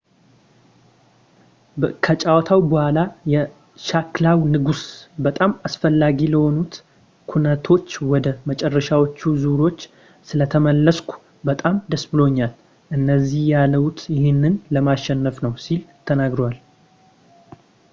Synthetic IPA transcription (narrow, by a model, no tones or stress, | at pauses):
kʰət͡ʃʼawɔt̪ʰawbəhʷalajɛ | ʃaklawnɨɡusbət̪ʼamasfəlːaɡiləho̞nut̪ | kʰunət̪ʰo̞t͡ʃːwɔd̪əmət͡ʃʼɛrːəʃawo̞t͡ʃːuzuɾo̞t͡ʃː | sɨlət̪ʰəməlːəskʷu̥ | bət̪ʼamd̪əsbɨlo̞ɲːal | ʔɨnːəzːihjalːəwut̪jɪhenːɨnləmaʃɛnːəfnəwsilt̪ʰənaɡɾowal